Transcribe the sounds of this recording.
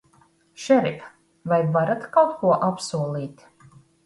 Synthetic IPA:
ʃɛɾip | vajvaɾat̪kawt̪kuɔʔapsuɔlˠiːt̪ʲ

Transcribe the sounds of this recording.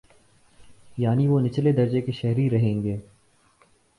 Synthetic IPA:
jaːniʋonɪt͡ʃled̪ɐɾd͡ʒekeʃɛɦɾiɾɐɦẽːŋɡeː

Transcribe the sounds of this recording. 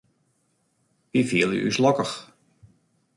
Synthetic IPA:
ʋifiəlˠjə̰ʔy̰slɔkəx

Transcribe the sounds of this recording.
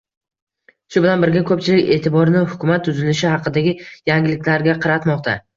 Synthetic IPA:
ʃʊbɪlanbɪɾɡʲakʰɵp̚t͡ʃʰɪlɪkʲe̞̰ːt̪ʰɪbɒɾnɪhʊkʲʰʊmat̪ʰːʊzɪlɪʃɪhɑqɨd̪aɡʲɪjaŋɡʲɪlɪkʲlaɾɡʲaqʰɑɾat̪mɒq̚t̪ʰa

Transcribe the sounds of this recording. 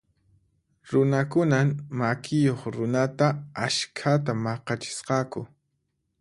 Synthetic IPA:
ɾʊnakʊnamakʰɪjoχɾʊnat̪aaʃkʰat̪amɑqɑt͡ʃɪ̥sqɑkʊ̰

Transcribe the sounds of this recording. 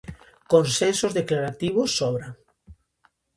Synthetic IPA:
konsensozðeklaɾat̪iβ̞osːɔβɾa

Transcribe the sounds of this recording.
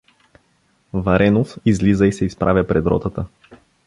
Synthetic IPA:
vɐɾɛnofizlizəisɛispɾʔa̰vʲjəpɾɛd̪ɾɔ̰t̪ət̪ə

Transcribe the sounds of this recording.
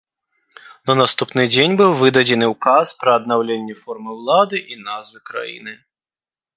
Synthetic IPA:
nɐnast̪upnɨd͡zʲenʲbɨwvɨd̪ɐd͡zʲɛnɨwkaspɾɐːd̪̚nawlʲenʲːɛfɔrmɨwlˠad̪ɨʔinazvɨkɾa̰jḭnɨ

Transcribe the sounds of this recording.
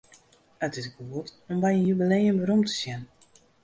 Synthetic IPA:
ətɪsɡuətɔmbɛjənjybəlejənbəɾumtə̥sjɛn

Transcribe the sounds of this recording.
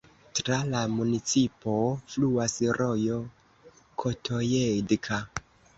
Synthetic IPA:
tɾalamunit͡sipo̞fluasɾʔojo | kʰotʰojedkʰa

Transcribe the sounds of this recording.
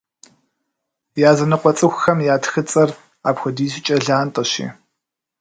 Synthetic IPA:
jaːzɐnɨqʷɔt͡sʼɨxʷxɐmjaːtxɨt͡sʼɐr | a̰ːpxʷɐdiːzɪt͡ʃʼɐɮaːntʼɐɕḭː

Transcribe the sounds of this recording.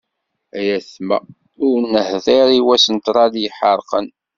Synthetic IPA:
æjæθmæ̰ | ʊɾnːəhðiɾiwæsənt̪ɾˤɑljəħəɾˤqən

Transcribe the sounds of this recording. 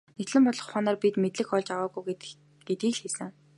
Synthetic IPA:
net̪ɮɘ̆mpɔɮɞ̆χχaːnaːrpit̪met̪ɮɘ̆xɔɮt͡ɕawaːɣuj | ɡ̥et̪̚ɡiːɮxisɘ̆ŋ

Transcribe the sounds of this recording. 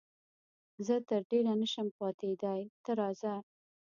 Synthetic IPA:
zət̪əɾɖeɾanəʃəmpɑt̪ed̪ajt̪əɾɑza

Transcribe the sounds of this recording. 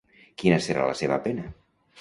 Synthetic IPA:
kinəsəɾa̰ləseβə̰penə

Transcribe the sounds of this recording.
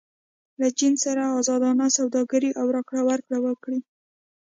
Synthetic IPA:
lat͡ʃinsaɾaːzɑd̪ɑnasawd̪ɑɡaɾiʔawɾɑkɽawaɾkɽawəkɽi

